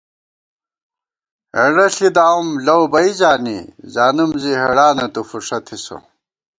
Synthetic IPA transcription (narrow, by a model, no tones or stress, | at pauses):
eɽɐɬid̪aːumlɐwbɐizaːnḭzaːnumziɦeɽaːnɐt̪ufuʂɐt̪ʰiso̰